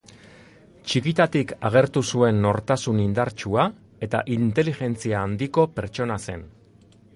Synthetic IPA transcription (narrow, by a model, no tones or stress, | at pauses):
t͡ʃikit̪at̪ikaɣ̞e̞ɾt̪usue̞nːo̞ɾt̪asunind̪aɾt͡ʃua | e̞t̪a̰ʔint̪e̞liʝe̞nt͡siaːnd̪iko̞pe̞ɾt͡ʃo̞nase̞̰n